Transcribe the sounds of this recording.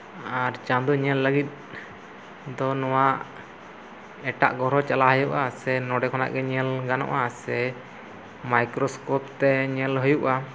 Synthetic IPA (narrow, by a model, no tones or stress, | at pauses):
aɾt͡ʃand̪uɲɛlːəɡit̪̚ˀ | d̪ɔnɔwaʔ | ɛʈa̰ʔɡɔɾɔt͡ʃalaɦəjuʔasɛnɔɖɛkʰɔna̰ʔɡɛɲɛlɡanɔ̰ʔasɛ | majkɾɔskɔpt̪ɛɲɛlɦəjuʔa